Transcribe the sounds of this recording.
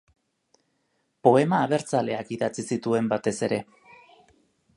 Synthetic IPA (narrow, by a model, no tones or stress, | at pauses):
po̞e̞maːβ̞e̞ɾt͡sale̞akiðat͡sisit̪ue̞mbat̪e̞se̞ɾe̞